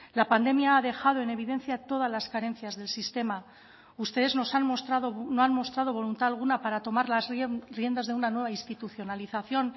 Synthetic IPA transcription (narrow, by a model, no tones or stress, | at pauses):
lapand̪e̞mjaaðe̞xað̞o̞e̞ne̞β̞iðe̞nθjat̪o̞ð̞azlaskaɾe̞nθjazðe̞lsist̪e̞ma | ust̪e̞ð̞e̞zno̞sanst̪ɾaðonoanmo̞st̪ɾað̞o̞β̞o̞lunt̪aːlɣ̞unapaɾat̪o̞maɾlazrje̞nd̪azðe̞unanwe̞βainst̪it̪uθjo̞naliθaθjo̞n